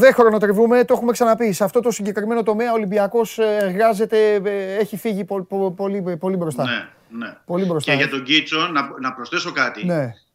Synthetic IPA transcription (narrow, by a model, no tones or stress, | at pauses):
ðexoɾonot̪ɾivume̞t̪oexume̞ksɐnɐpiseɐft̪o̞t̪o̞siɲɟe̞kɾime̞no̞t̪o̞me̞ɐolimbiɐko̞sɣɣɐze̞t̪e̞e̞çifiʝipopopolipo̞limbɾo̞st̪ɐe | nepo̞libɾo̞seʝɐt̪o̞ɲɟit͡so̞nɐnɐpɾosθe̞so̞kɐt̪ine̞